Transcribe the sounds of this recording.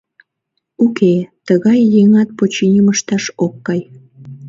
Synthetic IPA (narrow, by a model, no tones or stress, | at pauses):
ukʰet̪əɣɑjːeŋɑt̪̚pot͡ɕinʲiməʃt̪ɑʃokːɑj